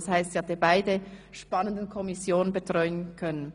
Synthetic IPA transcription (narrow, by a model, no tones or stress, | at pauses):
shaɪstjɑːdeːbaɪdəʃpɑnəndn̩kʰɔmisjoːnənbətʁ̥ɔʏənkʰœnən